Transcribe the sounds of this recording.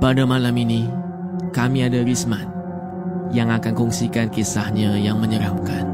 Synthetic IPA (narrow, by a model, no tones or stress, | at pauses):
padamalamini | kamiadaɾismat̪̚ | jaŋakankɔŋsikankisahɲajaŋməɲəɾap̚kan